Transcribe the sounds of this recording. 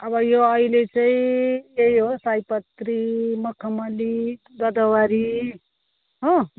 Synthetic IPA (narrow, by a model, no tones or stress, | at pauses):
ʌbʌjoʌilet͡saĩjejɦosajpʌt̪ɾimʌkʰʌmʌli | ɡʌd̪ʌwaɾi | ɦʌ̃